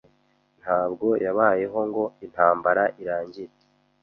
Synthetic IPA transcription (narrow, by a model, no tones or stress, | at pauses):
n̥haːbɡo̞jaβaːje̞ɦo̞ŋɡo̞in̥haːmbaɾaʔiɾaːɲɟiɾe̥